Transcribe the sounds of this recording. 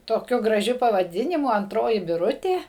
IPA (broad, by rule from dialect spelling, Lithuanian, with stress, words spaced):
toːˈkʲʊ ɡrɐˈʒʲʊ pɐʋɐˈdʲɪnʲɪmʊ ɐnˈtroːjɪ bʲɪˈrʊtʲeː